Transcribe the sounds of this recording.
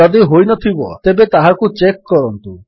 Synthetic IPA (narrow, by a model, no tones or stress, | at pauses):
ɔd̪iɦojnɔt̪ʰibɔ̰t̪ebet̪aɦakut͡ʃekːɔɾɔnt̪u